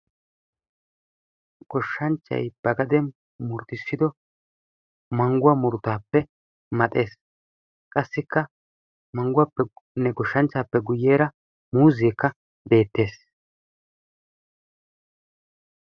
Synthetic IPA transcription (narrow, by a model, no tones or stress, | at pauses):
ɡ̥ɔʃːɐnt͡ʃːɐ̰jb̥ɐɡɐd̪ɛn | mʊɾt̪ɪsːɪd̪ɔ | mɐŋɡʊwɐmʊɾt̪aːpːɛ | mɐt̪ʼe̞ːs | kʼɐsːɪkːɐ | mɐŋɡʊwaːpːɛnɛɡɔʃːɐnt͡ʃːaːpːɛɡʊjːeːɾɐ | muːzeːkːɐ | be̞ːt̪ːe̞ːs